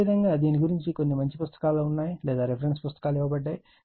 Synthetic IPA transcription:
id̪ɐŋɡaːd̪iːniɡuɾiɲt͡ʃiko̞nːimɐɲt͡ʃipust̪ɐ̥kaːloːunːaːjilɛːd̪aːɾepʰɐɾeɳʈspust̪ɐ̥kaːlɛːʋɐbɐɖːaːji

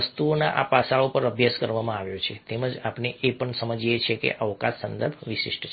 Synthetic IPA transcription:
əst̪uonaʔa̰pasaɭopəɾəbʱjaskəɾʋamãaʋjot͡ʃʰet̪eməd͡ʒapneʔepəɳsəməd͡ʒet͡ʃʰekḛʔəʋkassənd̪əɾbʱʋɪʃḭʃʈt͡ʃʰ

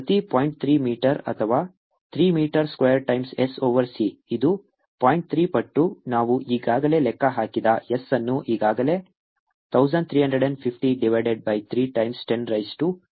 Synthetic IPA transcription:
pɐt̪ipoːjiɳʈ̚t̪ʰɾiːmiːʈɐɾɐ̰t̪ʰɐʋaː | t̪ʰɾiːmiːʈɐɾskwejɐɾʈɐjmsesoːʋɐɾsiid̪u | paːjiɳʈ̚t̪ʰɾiːpɐʈːunaːʋuʔiːɡaːɡɐle̞lɛkːɐɦaːkid̪ɐesːɐnːuʔiːɡaːɡɐle̞ | t̪ʰɐwzɐɳɖ̚t̪ʰɾiːɦɐɳɖɾeɖɐɳɖpʰipʰʈiɖiʋɐjɖeɖ̚bɐjt̪ʰɾiːʈɐjmsʈenɾɐjsʈu

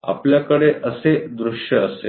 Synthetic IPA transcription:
a̰pljakəɽeʔəsed̪ɾuʂjəːse

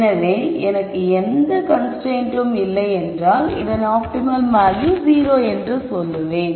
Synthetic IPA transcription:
nɐʋẽːɛnɐkːɯɛnd̪ɐkɐnsʈɾeːnʈɯmɪlːɐɛndraːlɪ̰ðɐnaːp̚ʈɪmɐlmaːðɾiziːɾoːɛndrɯsɔlːɯʋẽː

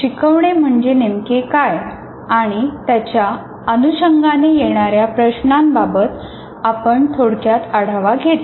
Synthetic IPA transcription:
ɕikəʋɳem̤əɳd͡ʑenemkekaj | aɽ̃it̪jat͡ɕja | ənuɕəŋɡanejeɽ̃aɾjapɾəɕnambabət̪ | apəɳt̪ʰoɽkjat̪aɽ̤aʋaɡʱet̪

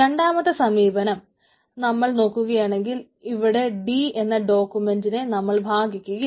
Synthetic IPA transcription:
e̞ɳɖaːmɐt̪ːɨsɐmiːbɐnɐm | nɐmːɐɭno̞ːkːuɣɐjaːɳe̞ŋɡil | iʋiɽe̞ɖie̞nːɐɖo̞ːkːume̞ndinenɐmːɐɭbʱaːɡikʲːuɣɐ

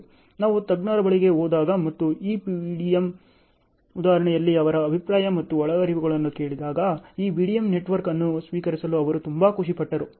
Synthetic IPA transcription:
naːʋut̪ɐɡnaːɾɐbɐɭiɡe̞ɦoːd̪aːɡɐmɐt̪ːuiːpiʋiːɽijɐm | ud̪aːɐɾɐɳɛjɐlːiɐʋɐɾɐːbʱipɾaːjɐmɐt̪ːuɔɭɐɡɐɾiʋiɡɐɭɐnːuke̞ːɭid̪aːɡɐiːʋiɽijɐmneʈʋɐɾkɐnːusʋiːkɐɾisɐluɐʋɐɾut̪umbɐkuʂipɐʈːɐɾu

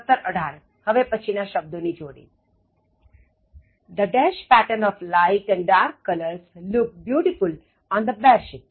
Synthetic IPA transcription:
ət̪ːəɾəɖʱaɾ | həʋepət͡ʃʰinaʃəb̚d̪onid͡ʒoːɽḭ | d̪əɖɛʃpæʈəɾnɔflaɪʈɛ̃ɳɖɖaːɾkːʌləɾslʊk̚bjuːʈiful | ɔ̃nd̪əbɛɾʃɪp̚

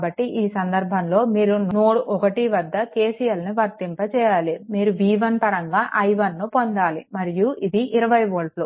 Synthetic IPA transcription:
bɐʈːiʔiːsɐnd̪ɐɾbʱɐnlo̞ːmiːɾunnoːɽuʔɔkɐʈiʋɐd̪ːɐkeːsijɐlniʋɐɾt̪impɐt͡ʃɛːjaːlimiːɾuʋiːʋɐnpɐɾɐŋɡaːʔɐjʋɐnːupond̪aːlḭmɐɾijuid̪iʔiɾɐʋɐjʋoːlʈlu

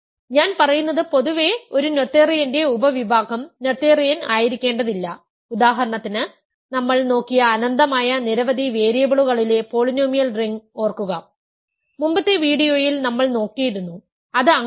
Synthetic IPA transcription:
ɲaːnpɐrɐjunːɐðɨpo̞ðuʋe̞o̞ɾuno̞t̪ːeːrijɐnde̞ubɐʋibʱaːɡɐmno̞t̪ːeːrijɐnaːjiɾikʲːe̞ːɳɖɐðilːɐ | ud̪aːɦɐɾɐɳɐt̪ːinɨ | nɐmːɐɭno̞ːkːijɐːnɐnd̪ɐmaːjɐniɾɐʋɐd̪ʱiʋe̞ːɾijɐbɐɭuɣɐɭile̞po̞ːɭinoːmijɐlriŋɡo̞ːrkːuɣɐ | mumbɐt̪ːe̞ʋiːɽijo̞ːjilnɐmːɐɭno̞ːkːijiɾunːu | ɐðɨɐŋː

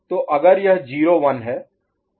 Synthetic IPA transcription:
t̪oʔɐɡəɾjɐɦd͡ʒiːɾoʋɐnɦɛː

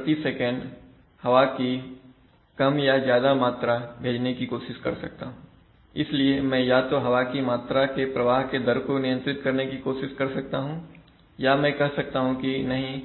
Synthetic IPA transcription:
pɾɐt̪isɛːkɛ̃ɳɖ | hɐʋaki | kɐmjazjaːd̪amaːt̪ɾabʱeːd͡ʒnekikoːʃɪʃkɐ̰ɾsɐ̰k̚t̪aɦũ | ɪsliemɛ̃jat̪oɦɐʋakimaːt̪ɾakepɾɐʋaːɦked̪ɐɾkonɪjə̃nt̪ɾɪt̪kɐɾnekikoːʃɪʃkɐɾsɐk̚t̪aɦũː | jamɛ̃kɐɦsɐk̚t̪aɦũkinɐɦĩ

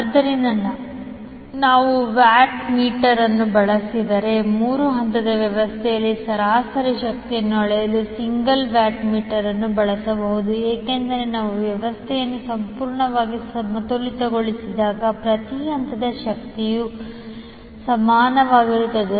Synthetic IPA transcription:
ɐd̪ɐɾind̪ɐnːɐ | naːʋuʋjaːʈmiːʈɐɾɐnːubɐɭɐsid̪ɐɾe̞muːɾuɦɐnt̪ɐd̪ɐʋjɐʋɐst̪ʰɛjɐlːisɐɾaːsɐɾiʃɐk̚t̪ijɐnːuɐɭɛjɐlusiŋɡɐlʋaːʈmiːʈɐɾɐnːubɐɭɐsɐbɐɦud̪ueːke̞nd̪ɐɾe̞naːʋuʋjɐʋɐst̪ʰɛjɐnːusɐmpuːɾɳɐʋaːɡisɐmɐt̪olit̪ɐɡoɭisid̪aːɡɐpɾɐt̪iɦɐnt̪ɐd̪ɐʃɐk̚t̪iju | sɐmaːnɐʋaːɡiɾut̪ːɐd̪u

